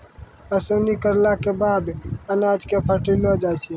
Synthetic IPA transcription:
əsonikəɾlakebad̪ənad͡ʒkepʰəʈilɔd͡ʒajt͡ʃʰi

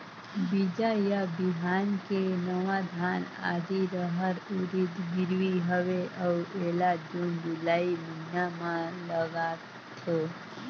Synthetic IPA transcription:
bid͡ʒajabiɦankenəʋãd̪ʱana̰d̪iɾəɦəɾuɾid̪ɡɪɾʋiɦəʋeʔəelad͡ʒund͡ʒulaiməɦinamãləɡa | t̪ʰo

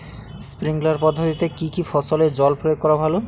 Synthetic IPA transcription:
spɾiŋɡlaɾpɔd̪ʱːot̪it̪ekikifɔsoled͡ʑɔlpɾojoɡ̚kɔɾabʱalo

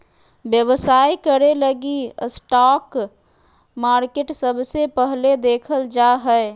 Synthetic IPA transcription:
bjəʋəsaikəɾeləɡisʈak | maɾkeʈsəbʱsepəɦled̪ekʰəld͡ʒaɦəe

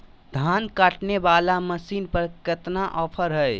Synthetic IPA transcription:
d̪ʱankaʈnebalaməsinpəɾkət̪naʔɔpʰəɾɦəj

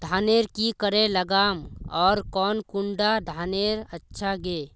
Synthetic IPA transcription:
d̪ʱaːneːɾkikəɾẽləɡaːmɔːɾkɔːnkʊɳɖad̪ʱaːneːɾətːʃʰaɡeː

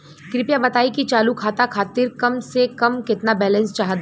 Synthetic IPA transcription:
kɾɪpjabɐt̪aːikit͡ʃaːlukʰaːt̪akʰaːt̪ɪɾkɐmsekɐmkɪt̪nabɛːlɛ̃nst͡ʃaːɦd̪a

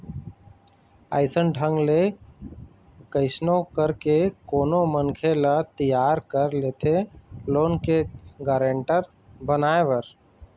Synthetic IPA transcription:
a̰ːɪsənɖʱə̃ŋɡle | kəɪsnokəɾkekoːnomənkʰelat̪əjaːɾkəɾleːt̪ʰeloːnkeɡaːɾeːɳʈəɾ | bənaːeʋəɾ

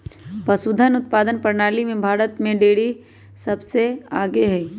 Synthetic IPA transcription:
pɐsud̪ʱənʊt̪̚paːd̪ənpɐɾnaːlimẽbʱaːɾət̪mẽɖeːɽi | sɐbseaːɡeɦɛː

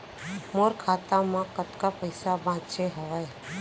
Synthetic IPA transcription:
moːɾkʰaːt̪amãkət̪kapəɪsabʱãːt͡ʃeɦəʋae

